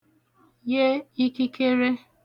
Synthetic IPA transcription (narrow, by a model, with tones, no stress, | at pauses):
je˦i˦ki˦ke˦ɾe˦